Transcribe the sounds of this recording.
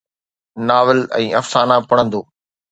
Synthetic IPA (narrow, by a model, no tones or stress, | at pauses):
naːʋəlɛ̰̃ːʔɐfsaːnapɐɽ̃ə̃nd̪oː